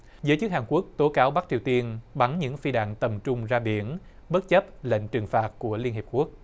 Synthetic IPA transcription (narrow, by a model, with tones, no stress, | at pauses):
zəː˨˦jt͡ɕɨ˦˥k̚haː˨˩nku˦˥ək̚t̪o˨˦kaː˨˦wɓa˦˥k̚t͡ɕi˨˩əwt̪i˧ənɓa˨˦nɲɨ̰˧˥ŋfi˧ɗa̰ː˧˨ŋt̪ə˨˩mt͡ɕʊ˧ŋ͡mzaː˧ɓi˧˩ənɓə˦˥t̚t͡ɕə˦˥p̚lḛ˧˨jŋt͡ɕɨ˨˩ŋfaː˨˩t̚ku˧˩əli˧ənhe˨˩p̚ku˦˥ək̚